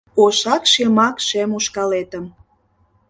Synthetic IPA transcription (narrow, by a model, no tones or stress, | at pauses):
oʃɑkʃemɑkʃemuʃkɑlet̪əm